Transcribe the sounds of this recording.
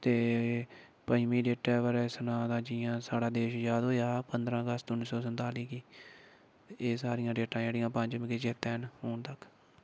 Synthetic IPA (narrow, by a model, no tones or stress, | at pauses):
t̪eː | pəmiːɖeːʈɛːʋəɾsənãːd̪ãːd͡ʒɪãːsaːɽaːd̪eːʃjaːd̪ɦoːjaːpənd̪ɾãːəɡəst̪ʊnːisɔːs̬ənt̪aːliːkiː | eːsaːɾɪjãːɖeːʈãːd͡ʒeːɽɪjãːpəɲd͡ʒmɪked͡ʒeːt̪ɛːnhoːnt̪əkʰ